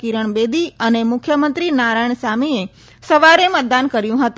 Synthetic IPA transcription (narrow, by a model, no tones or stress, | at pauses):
kiɾəɳbed̪iənemʊkʰjəmə̃nt̪ɾinaɾajɳsamie | səʋaɾemət̪̚d̪ankəɾjũɦət̪ũ